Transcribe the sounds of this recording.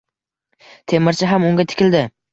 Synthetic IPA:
t̪ʰe̞mɪɾt͡ʃʰɪɦamʊŋɡʲat̪ʰɪ̥kʲɪld̪ɪ

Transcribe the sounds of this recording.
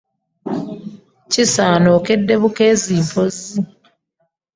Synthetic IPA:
cisaːnoːke̞dːe̞βuke̞ːziːmpʰo̞zi

